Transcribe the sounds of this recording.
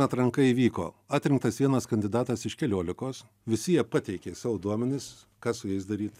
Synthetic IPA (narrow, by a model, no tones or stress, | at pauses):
ɐt̪ɾɐŋkɐiːʋʲiːko̰ː | ɑːt̪ʲɾʲɪ̃ŋkt̪ɐsʋʲiɛnɐskɐnʲd̪ʲɪd̪ɑːt̪ɐsɪʃkʲɛlʲuɔlʲɪkoːs | ʋʲɪsʲɪjɛpɑt̪ʲɛɪkʲeːsɑːʋʊd̪uɔmʲɛnʲɪs | kɑːsʊjɛɪs̬d̪ɐɾʲiːt̪